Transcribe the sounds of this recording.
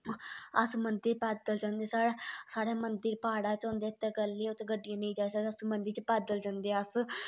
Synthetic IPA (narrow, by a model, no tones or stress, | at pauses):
əsmənd̪əɾpɛːd̪əld͡ʒãːnd̪eːsaːsaːɽeːmənd̪əɾpaːɽaːt͡ʃɔ̃ːnd̪eːt̪ːeːɡəlːeːʊt̪ːɡəɖːijãːnə̃ĩːd͡ʒaːsaəsmənd̪əɾt͡ʃpɛːd̪əld͡ʒãːnd̪eːəs